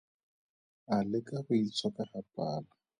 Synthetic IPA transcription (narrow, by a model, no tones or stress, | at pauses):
alɪkʼabʊit͡sʰwakʼahapʼaːla